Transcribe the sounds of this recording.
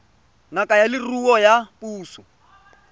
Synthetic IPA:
ŋakʼajalɪruwɔjapʼuːsu

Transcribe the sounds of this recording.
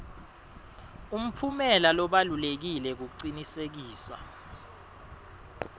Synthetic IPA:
um̩pʰumɛlalɔɓalulek̬ilɛk̬uk̬uǀinisek̬iːsa̰

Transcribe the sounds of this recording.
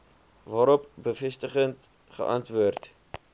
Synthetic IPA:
vɑːɾɔp̚bəfɛstəχənt | χə̰ʔɐntvuərt

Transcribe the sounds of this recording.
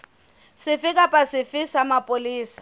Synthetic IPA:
sɪfɪkʼapʼasɪfɪsamapʼʊliːsḁ

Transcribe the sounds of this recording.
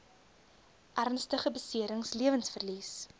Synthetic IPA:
ʔærnstəχəbəsiəɾəŋsliəvənsfərlis

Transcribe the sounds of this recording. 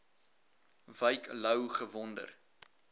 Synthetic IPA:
vəjklœwχəvɔndə̰r

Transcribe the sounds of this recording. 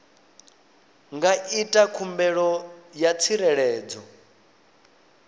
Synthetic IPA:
ŋɡaʔitʼakʰumbɛɺɔjat͡sʰiɾɛɺɛːd͡zɔ

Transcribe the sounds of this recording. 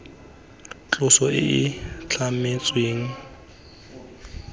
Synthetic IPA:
t͡ɬʼʊsɔɪ̰ʔɪt͡ɬʰamet͡sʼweːŋ̩

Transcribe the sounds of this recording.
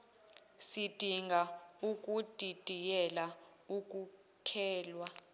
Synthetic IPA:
sid̥ʱiŋɡʱauk̬ʼud̥ʱid̥ʱijɛla | uk̬ʼu | kʰɛːlwa

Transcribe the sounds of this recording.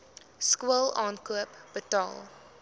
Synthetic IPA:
skuəlˠɑːnkuəpb̥ətɑ̰lˠ

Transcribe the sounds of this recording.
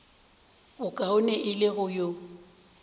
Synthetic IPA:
bʊkʼaʊnɛʔɪlɪɣʊjo

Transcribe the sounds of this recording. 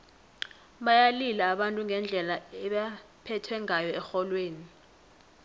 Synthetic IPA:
ɓajalilaːɓantʼuŋɡʱɛnd͡ɮʱɛlaɛɓa | pʰɛtʰwɛŋajɔɛxɔlweːni

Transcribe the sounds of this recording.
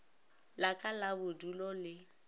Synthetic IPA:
lakʼalabʊdulɔlɪ

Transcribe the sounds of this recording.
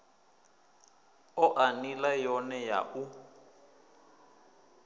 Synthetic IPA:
ɔʔanilajɔnɛja̰ʔu

